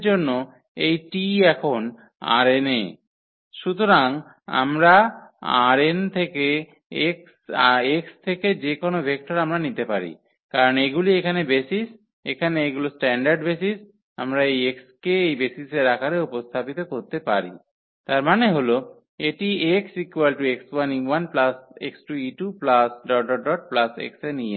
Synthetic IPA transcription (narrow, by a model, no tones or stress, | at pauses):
d͡ʑonːo | ejʈiɛkʰon | a̰ɾene | ʃut̪oɾaŋ | a̰mɾaa̰ɾent̪ʰeke | eksekst̪ʰeked͡ʑekonobʱek̚ʈoɾamɾanit̪epaɾḭ | kaɾoneɡuliekʰanebesis | ḛkʰaneeɡulosʈɛɳɖaɾɖbesis | amɾaejekskeejbesiseɾakʰaɾeupost̪ʰapit̪okoɾt̪epaɾḭ | t̪aɾmaneɦolo | eʈieksikwelʈuekswaniwanplasḛksʈuiʈuplasɖɔɖɔɖɔʈ̚plasḛksenije